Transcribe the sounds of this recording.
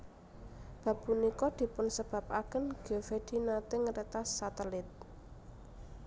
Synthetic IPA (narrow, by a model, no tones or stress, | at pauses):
b̥ä̤b̥ṳnikɔd̪̥i̤pʊnsəb̥a̤p̚akənɡ̥ɔfed̪̥inat̪ɪŋəɾet̪asat̪əlɪt̪̚